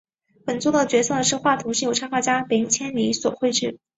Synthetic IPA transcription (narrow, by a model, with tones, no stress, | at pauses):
pə˨˩nt͡su˥˩d̪ə˨˩t͡ɕɥɛ˧˥sɤ˥˩d̪ə˩ʂɻ̩˥˧xwa˥˩t̪ʰu˧˥ʂi˥˩jo˨˩ʊʈ͡ʂʰa˥ŋxwa˥˩t͡ɕja˥pi˧˥ŋt͡ɕʰjɛ˥nli˧˥swɔ̰˨˩xwe˥˧ɪʈ͡ʂɻ̩˥˩